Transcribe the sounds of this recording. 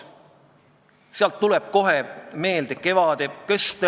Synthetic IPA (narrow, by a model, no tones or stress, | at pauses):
seɑlt̪ːulɛb̥̚ko̞ɦeme̞ːld̪eke̞vɑd̪̥ekest̪e